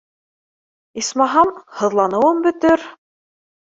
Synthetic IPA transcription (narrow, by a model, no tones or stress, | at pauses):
ismɑɦɑmhɤ̆ðlˠɑnɤ̆wɤmbɵ̆t̪ɘɾ